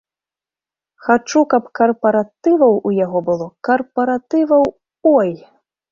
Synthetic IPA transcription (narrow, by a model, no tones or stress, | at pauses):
xat͡ʂukɐpkɐrpɐɾat̪ɨvɐwujaɣɔbɨlˠɔkɐrpɐɾat̪ɨvɐw | ɔj